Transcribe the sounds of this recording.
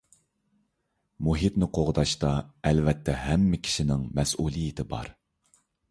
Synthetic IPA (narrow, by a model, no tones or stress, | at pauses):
muɦit̪nɪqʰoʁd̪ɑʃt̪ɑɛlvɛt̪ʰːɛɦɛmːɪkʲʰi̥ʃinɪŋmɛsulˠijit̪ʰɪbɑ̰ɾ